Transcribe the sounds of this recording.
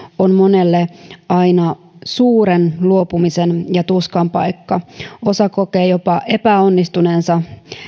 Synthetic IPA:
onmonelːeɑinɑ | suːɾenluo̞pumisenjɑt̪uskɑmpɑikːɑo̞sɑko̞keːjopɑʔe̞pæonːist̪unensɑ

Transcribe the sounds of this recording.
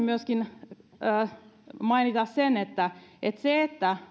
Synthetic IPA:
myøskinəːmɑinit̪ɑssenet̪ːæʔet̪seet̪ːæ

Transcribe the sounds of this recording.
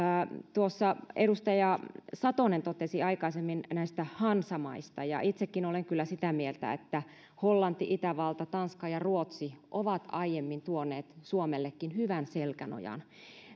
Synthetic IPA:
t̪uosːɑeɾust̪ɑjɑsɑt̪onent̪ot̪esiɑikɑisemːinnæist̪æhɑnsɑmɑist̪ɑjɑ̰ʔit̪sekːinoleŋkylːæsit̪æmielt̪æ̰ḛt̪ːæ | holːɑnt̪ːiʔit̪æʋɑlt̪ɑt̪ɑnskɑjɑruot̪siʔoʋɑt̪ɑijemːint̪uonːˑeːt̪suomelːekːinhyʋænselkæno̰jɑ̰n

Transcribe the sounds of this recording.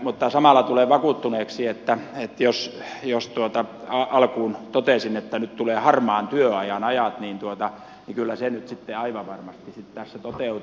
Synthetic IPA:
mut̪ːɑsɑmɑˑlːˑɑt̪uleˑʋɑkuˑt̪ːuneːksiet̪ːæet̪josjost̪uot̪ɑ | ɑɑlkuːnt̪ot̪esinet̪ːænyt̪t̪uleːhɑrmɑːnt̪yøɑjɑnɑjɑt̪niːnt̪uot̪ɑ | nikylːæsenyt̪sit̪ːeɑiʋɑʋɑrmɑst̪isit̪tæsːæt̪ot̪eut̪

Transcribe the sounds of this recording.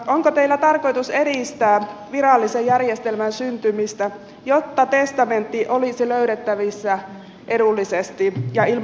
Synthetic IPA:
oŋkot̪eilːæt̪ɑrko̞jt̪use̞ɾist̪æːʋiɾɑlːisejjærjest̪elmænsynt̪ymist̪æ | jot̪ːɑt̪e̞st̪ɑment̪ːiʔolisiløyɾet̪ːæʋisːæ | ʔe̞dulːisest̪ijɑil

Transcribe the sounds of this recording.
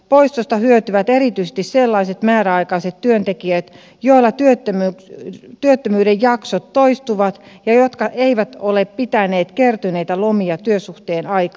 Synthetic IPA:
poist̪ost̪ɑhyøt̪yʋæt̪erit̪yise̥st̪isselːɑiset̪mæːræɑikɑiset̪tyønt̪ekiøt̪ | joilːˑɑt̪yøt̪ːømykt̪yøt̪ːømyːɾejjɑksot̪toist̪uʋɑt̪jɑjot̪kɑʔeiʋæt̪oleppit̪æneːt̪kert̪yneit̪ælomiɑt̪yøsuht̪eːnɑikɑ

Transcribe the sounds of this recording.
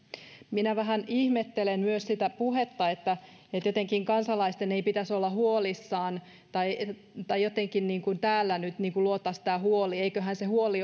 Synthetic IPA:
minæʋæɦænihmet̪ːelemmyøssit̪æpuhet̪ːɑet̪ːæ | et̪jot̪eŋkiŋkɑnsɑlɑist̪eneipit̪æsolːɑhuolisːɑːn | t̪ɑi | t̪ɑjjot̪eŋkinniːŋkunt̪æːlːænyt̪niːŋkuluot̪ːˑɑst̪æːhuolieikøɦænsehuoli

